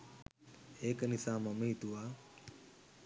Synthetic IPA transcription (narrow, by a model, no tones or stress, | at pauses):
heːknɪsãːməmĩːt̪uːaː